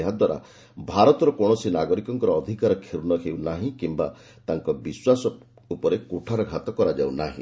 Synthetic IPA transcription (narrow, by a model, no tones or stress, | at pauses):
eɦad̪waɾa̰ | bʱaɾɔt̪ɔɾɔkɔɽ̃ɔsinaɡɔɾikɔŋkɔɾɔːd̪ʱikaɾɔkʰiɾunɔɦewnaɦĩkimba̰ | t̪aŋkɔbiswasɔ | upɔɾekuʈʰaɾɔɡʱat̪ɔkɔɾad͡ʒawna̰ɦḭ̃